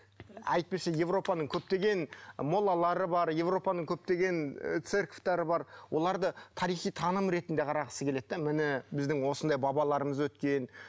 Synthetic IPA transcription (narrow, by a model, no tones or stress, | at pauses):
ɑjt̪̚pesʃeje̞vɾo̞pɑnəɴkʲʰɵp̚t̪e̞ɡʲe̞nmo̞lˠɑlˠɑɾəbɑɾje̞vɾo̞pɑnəɴkʲʰɵp̚t̪e̞ɡʲe̞nt̪serkft̪æɾəbɑɾwʔo̞lˠɑɾd̪ət̪ʰɑɾijχijt̪ʰɑnəmɾe̞t̪ɪnd̪e̞qʰɑɾɑʁəsəkʲʰe̞le̞t̪ːemɪnɪbɪzd̪ɪŋwo̞sənd̪ɑjbɑbɑlˠɑɾəməzwɵt̪kʲe̞n